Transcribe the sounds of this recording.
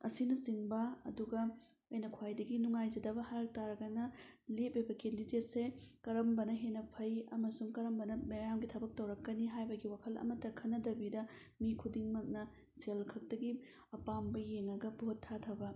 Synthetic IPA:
ɐ̰sinɐziŋbɐɐ̰duɡɐ | ɐjnɐkʰwajdɐɡinuŋajzɐdɐbɐhaɾɐk̚taɾɐɡɐnɐlep̚bibɐkendidet̚sekɐɾɐmbɐnɐɦenɐpʰɐjɐmɐsuŋkɐɾɐmbɐnɐmejamɡitʰɐbɐk̚tɐwɾɐkːɐniɦajbɐɡiwakʰɐlɐ̰mɐtɐkʰɐnːɐdɐbidɐ | mikʰudiŋmɐk̚nɐ | selkʰɐk̚tɐɡi | ɐpambɐjeŋɐɡɐbʱotʰːatʰɐbɐ

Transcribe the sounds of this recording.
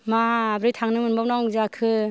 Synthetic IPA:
maːbɾɯjtʰaŋnɯmɯnbawnawzakʰɯ

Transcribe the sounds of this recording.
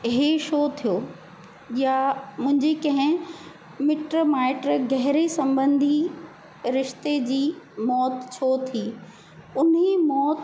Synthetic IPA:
ɦeʃoːt̪ʰijoː | jamʊ̃ɦɪ̃ɲd͡ʑekɐ̃ɦɪ̃ | mɪʈɾomaːɪʈɾɡɛɦɪɾisɐ̃mbə̃nd̪ʱi | ɾɪʃt̪ed͡ʑiːmɔːt̪t͡ɕʰoːt̪ʰiː | ʊnɦimɔːt̪

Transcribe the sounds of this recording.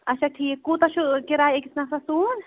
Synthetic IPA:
ɐʃɐk̚ʈʰiːkuːt̪ɐʃukiɾaːekisnɐfɾɐsuːn

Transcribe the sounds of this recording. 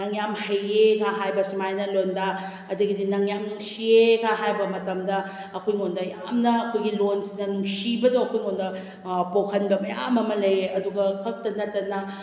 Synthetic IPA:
ɐŋjamhɐjekʰaɦajbɐsimajnɐlonda | ɐduɡidinɐŋjamnuŋsiekʰaɦajbɐmɐtɐmdɐ | ɐkʰojŋondɐja̰mnɐɐkʰojɡilonsinɐnuŋsibɐdoɐkʰojŋondɐ | pokʰɐnbɐmɐja̰mɐmɐlɐjeɐduɡɐkʰɐk̚tɐnɐtːɐnɐ

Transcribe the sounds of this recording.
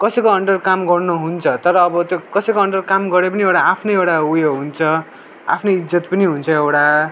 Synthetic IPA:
kʌsʌkoʌɳɖʌrkamɡʌrnuɦunt͡sʰʌt̪ʌɾʌːbʌt̪jokʌsʌkoʌɳɖʌrkamɡʌɾepʌniewʈaapʰnʌewʈaujoɦunt͡sʰʌ | a̰pʰnʌid͡zʌt̪pʌniɦunt͡sʰʌewɽa

